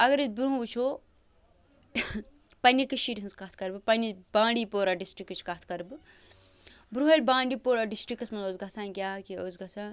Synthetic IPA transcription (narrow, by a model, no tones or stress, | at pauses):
ɐɡɐɾɨzbɾuɦũbut͡ʃʰo | pɐnʲikɨʃiɾɦɨnskɐt̪ʰkɐɾbɨpɐnʲibãːɳɖiːpoːɾaɖisʈɾikːɨt͡ʃʰkɐt̪̚ʰkɐɾbɨ | bɾuɦɐlʲbãːɳɖipoːɾaɖisʈɾikːɐsmɐnoːzɡɐsʰãːnkʲjaːkioːzɡɐsʰãː